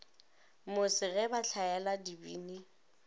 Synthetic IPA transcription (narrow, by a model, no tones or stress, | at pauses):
mʊsɪɣɛbaɬʰaɛladibḭːni